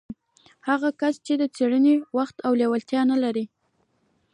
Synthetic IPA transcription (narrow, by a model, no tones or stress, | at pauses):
haɣakast͡ʃed̪ət͡seɽənewaxt̪awlewalt̪jɑnalaɾi